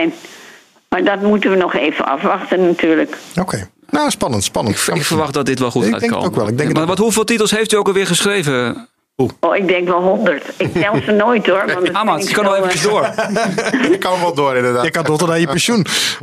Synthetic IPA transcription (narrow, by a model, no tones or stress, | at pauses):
n | maɹdɔtmutənʋənɔxeːvə̰nɑ̰fʋaxtənːatʰyːɹləkokʰej | nospɑnəntspɑnəkɪkfəɹʋaχtdɔtdɪtʋɛlˠxuta̰tɛŋko̰kʋɛlˠɪɡ̚dɛɔnʋɔthuvɪːlˠtitəlˠsɦejftyowkɔlˠʋɪːɹχəsχrejvə | uoːɪk̚dɛŋkʋɛlˠɦɔndəɹtɪk̚tɛlsənoːjtdoəɹɔnamakɔnɔxevəəsdoər | kɔnɔʋɔlˠdoəɾɪndədaːjəkandotədajəpɛnsjun